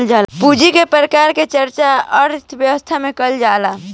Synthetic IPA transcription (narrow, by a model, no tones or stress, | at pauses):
ld͡ʒaːlpud͡ʒikepɾəkaːɾket͡ʃəɾt͡ʃaəɾt̪ʰbjəʋəst̪ʰamẽkəld͡ʒaːla